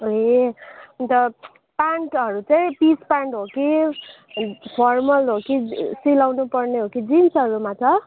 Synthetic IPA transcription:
oe | unt̪ʌ | paɳʈɦʌɾut͡sʌĩpispaɳʈɦoki | pʰʌrmʌlɦokisilawnupʌrneɦokid͡zimsʌɾumat͡sʰʌ

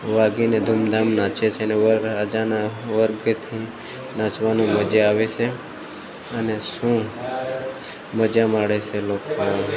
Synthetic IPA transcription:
ʋaɡined̪ʱumd̪amnãt͡ʃet͡ʃʰeəneʋəəd͡ʒanaʋəɾɡt̪ʰi | nãt͡ʃʋanũməd͡ʒeaʋet͡ʃʰe | əneʃũ | məd͡ʒamaɽet͡ʃʰeloko

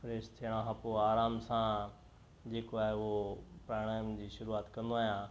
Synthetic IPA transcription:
fɾeːst̪ʰiəɽ̃ãɦãpoaːɾaːmsã | d͡ʑeːkoaːɦeɦopɾaːɽ̃aːjmd͡ʑiːʃʊɾuaːt̪kɐ̃nd̪oaːɦjãː

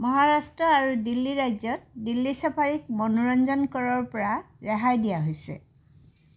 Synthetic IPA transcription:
mɔɦaɹastɹɔaɹudilːiɹajzɔt̚dilːisapʰaɹik̚mɔnuɹɔnzɔnkɔɹɔɹpɔɹa | ɹɛɦajdijaɦojsɛ̰

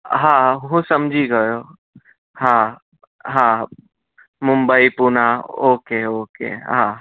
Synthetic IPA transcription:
ɦãɦũsəmd͡ʒʱiɡəjo | hã | ɦã | mumbəipunaokeokḛɦã

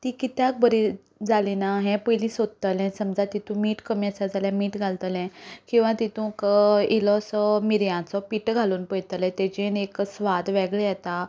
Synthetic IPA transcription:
t̪ikit̪jãk̚bəɾi | d͡zalinaɦɛ̃pəjlĩsod̪̚t̪əlɛ̃səmd͡zat̪it̪ũmiːʈkəmiat͡sad͡zaljãmiːʈɡʱalt̪əlɛ̃kĩw̃ʋãt̪it̪ũkəilɔsɔmiɾjãt͡sɔpiʈɡʱaluːnpəjt̪əlɛ̃t̪ɛd͡ʑeneksʋad̪ʋɛɡɭejɛt̪a

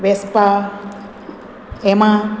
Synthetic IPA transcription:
ʋespa | emã

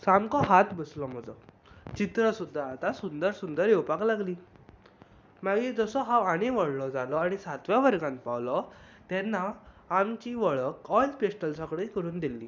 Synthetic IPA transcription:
samkɔɦat̪bəslɔm̤əd͡zɔ | t͡ɕit̪ɾəsud̪ʱːaːt̪asund̪əɾsund̪əɾjewpaklaɡliː | maɡed͡zəsɔɦaʋaɽ̃eʋəɽlɔd͡zalɔaɽ̃isat̪ʋjaʋəɾɡãnt̪̚pawlɔt̪ɛnːaː | mt͡ɕiːʋəɭəkɔjlpesʈəlsɔkɽikəɾuːnd̪ilːḭː

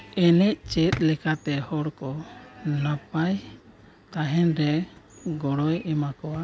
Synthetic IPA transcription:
ɛnɛc̚t͡ʃɛt̪̚ˀlɛkat̪ɛhɔɽkɔnapaj | t̪aɦɛnɾɛɡɔɽɔjɛmakɔa

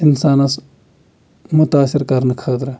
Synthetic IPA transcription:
ɪnsaːnɐs | mʊt̪aːsɪɾkɐɾnəkʰəːt̪ɾɐ

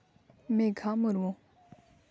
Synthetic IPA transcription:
mẽɡʰʱamuɾwõ

